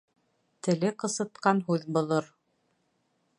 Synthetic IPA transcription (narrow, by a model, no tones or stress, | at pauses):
t̪ɘ̆lɘqɤ̆sɤ̆t̪̚qɑnɦʉðbŏlˠɤɾ